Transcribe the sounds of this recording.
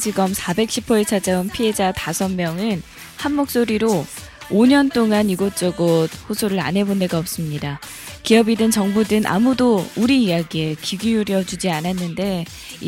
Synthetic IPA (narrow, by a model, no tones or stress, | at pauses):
d͡ʑiɡʌmsʰabe̞k̚ɕ͈ʰipʰʌet͡ɕʰad͡ʑaunpʰie̞d͡ʑatasʰʌnmjʌŋɯn | hanːok̚s͈oɾiɾo | oɲʌnt͈oŋaniɡot͡ɕ͈ʌɡod̚ɸosʰoɾɯɾa̰nɦe̞bone̞ɡaʌp̚s͈ɯmɲida | kiʌbidɯnt͡ɕʌŋbudɯnʔa̰mudouɾiːjaɡie̞kiɡiuɾjʌd͡ʑud͡ʑiananːɯnde̞